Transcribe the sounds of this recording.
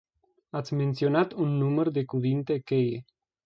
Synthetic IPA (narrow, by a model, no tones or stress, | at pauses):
at̪sʲment̪sionat̪unːumərd̪ekuvint̪ekeje